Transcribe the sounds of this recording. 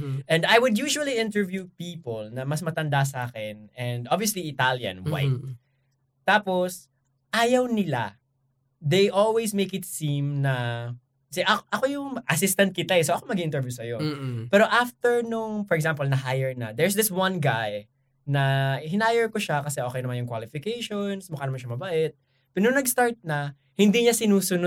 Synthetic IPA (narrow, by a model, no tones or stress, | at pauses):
ʔɛnd̪ajwʊd̪juːʃʊɐliʔɪ̃nt̪ɛɹvjupiːpolnɐmɐsmɐt̪ɐnd̪as̬ɐʔaːkɛnɛnd̪obviɐsliɪt̪aljɐ̰̃nwa̰jt̪̚ː | aːpos | ʔaːjɐwnɪla̰ | d̪ejʔolwejsmejkɪt̪sĩmnɐ | sɛʔɐʔɐko̞jʊŋʔɐsɪst̪ɐnt̪̚kɪt̪aɛsoʔɐkomɐɡiʔɪnɛɹvjusɐjopɛːɾo̞ʔaft̪ɛɹnʊŋfɔɹɛɡsãmpolnɐɦajɛɹnɐ̰d̪ɛɹsd̪ɪswɐnɡaj | nɐhɪnaːjɛɹkoʃakɐsɛʔoːkɛjnɐmanjʊŋkwaːlɪfɪkejʃonsmʊkanɐmanʃɐmɐbɐʔɛt̪̚ | pɛnʊŋnɐɡst̪aɹt̪̚nɐ | hɪ̃nd̪iɲɐsɪnuːsʊno